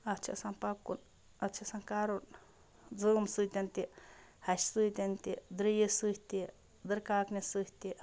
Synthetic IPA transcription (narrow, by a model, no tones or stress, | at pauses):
at͡ʃʰa̰sanpakun | at͡ʃʰasaŋkaɾun | d͡zɨmsɨt̪ʲant̪ihaʃsɨjt̪ʲant̪id̪ɾijesɨht̪i | d̪ɨɾkaknisɨht̪iʔ